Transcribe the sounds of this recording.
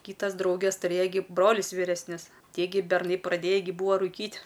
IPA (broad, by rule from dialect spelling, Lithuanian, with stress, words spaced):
ˈkʲiːtɐs ˈdrɐʊɡʲɛs tʊˈrʲeːjɛ ɡʲɪ ˈbroːlʲʊs ʋʲiːrʲɛsʲˈnʲʊs ˈtʲiɛ ɡʲɪ bʲɛrˈnɐɪ prɐˈdʲeːjɪ ɡʲɪ ˈbuːɐ rʊˈkʲiːtʲ